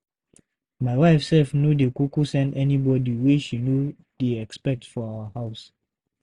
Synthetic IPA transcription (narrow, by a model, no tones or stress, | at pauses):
maɪwaɪfsɛlfnjudekukusɛ̃ndɛnibɔdiwiʃinju | d̥eɛkspɛk̚tfɔawəhaʊs